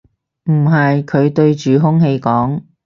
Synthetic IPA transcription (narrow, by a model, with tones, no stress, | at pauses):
m̩˨˩ɦɐ˨jkʰɵ˨˧ɥt̪ɵ˧ɥt͡ʃyː˨ɦʊ˥ŋhe˧jkɔː˨˥ŋ